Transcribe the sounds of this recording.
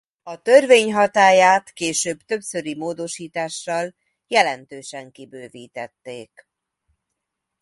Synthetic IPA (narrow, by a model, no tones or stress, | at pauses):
ɒt̪ø̞rveːɲɦɒt̪aːjaːt̪keːʃøːbt̪ø̞psø̞ɾimoːd̪o̞ʃiːt̪aːʃːɒl | jɛlɛnt̪øːʃɛŋkibøːviːt̪ɛt̪ːeːk